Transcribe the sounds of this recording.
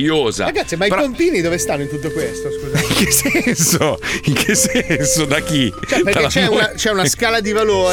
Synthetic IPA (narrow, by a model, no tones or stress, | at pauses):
oːza̰ɾaɡat̪sːimaippont̪iːnid̪oːvest̪anːoint̪ut̪ːokwest̪oskuziŋkesɛnsoiŋkʰesːɛnsod̪ak̟it͡ʃɛpeɾket͡ʃɛunat͡ʃɛunaskaːlad̪ivaloːɾ